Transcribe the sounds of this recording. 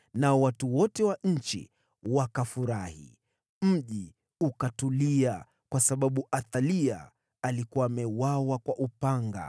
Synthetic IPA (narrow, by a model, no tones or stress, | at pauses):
naɔwatuwɔtɛwaɲ̩t͡ʃḭ | wakafuɾahḭ | m̩ʄi | ukatulia | kwasaɓaɓuʔaθalia̰ː | likuwaːmɛwawakwaʔupaŋɡa̰